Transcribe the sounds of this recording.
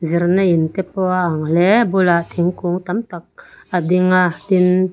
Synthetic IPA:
ziɾnaint̪ɛpɔaaŋlɛbulaʔt̪ʰiŋkuŋt̪amt̪ak̚ad̪iŋad̪in

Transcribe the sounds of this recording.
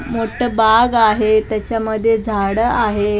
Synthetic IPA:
moʈʰəbaɡaɦet̪jat͡ɕjaməd̪ʱːjed͡zʱaɽəaɦe

